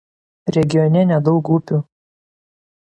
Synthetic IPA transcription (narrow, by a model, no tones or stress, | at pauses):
ɾʲɛɡʲɪjɔnʲɛnʲɛd̪ɒʊkuːpʲu